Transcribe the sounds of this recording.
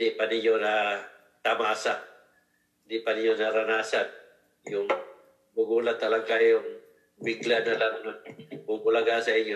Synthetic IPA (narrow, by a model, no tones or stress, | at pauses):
d̪ɪpanɪɲona | t̪amasaʔ | ɪnd̪ɪpanɪɲonaɾanaːsan | jʊŋ | bʊɡulat̪alaɡajʊŋ | bɪɡlanalaŋnbʊɡʊlaɡasaiɲjo